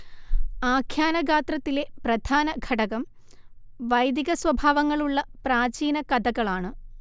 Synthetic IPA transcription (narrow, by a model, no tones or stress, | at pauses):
aːkʰjaːnɐɡʱaːt̪rɐt̪ːile̞prɐd̪ʱaːnɐɡʱɐʈɐɣɐm | ʋɐjd̪iɣɐsʋɐbʱaːʋɐŋːɐɭuɭːɐpraːt͡ɕiːnɐkɐd̪ʱɐɣɐɭaːɳɨ